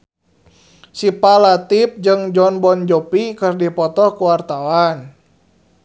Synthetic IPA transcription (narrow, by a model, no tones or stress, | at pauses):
sipalat̪ip̚d͡ʒɨŋd͡ʒɔnbɔnd͡ʒɔpikɨrdipɔt̪ɔkuwart̪awan